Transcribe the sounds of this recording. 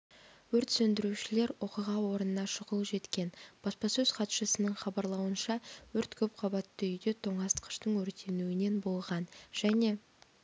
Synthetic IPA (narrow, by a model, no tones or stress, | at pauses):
wɵɾt̪sɵnd̪ɪɾuʃɪle̞ɾwo̞qəʁɑwo̞ɾənənɑʃʊʁəlˠʒe̞t̪kʲe̞nb̥ɑspɑsɵz̥qʰɑt̪ʃəsənəɴχɑbɑɾlˠɑwənʃɑwɵɾt̪kʲʰɵp̚qʰɑbɑt̪ːəʏjd̪e̞t̪ʰo̞ɴɑst̪qə̥ʃt̪əɴwɵɾt̪e̞nuwɪne̞nbo̞lˠʁɑnʒ̥æne̞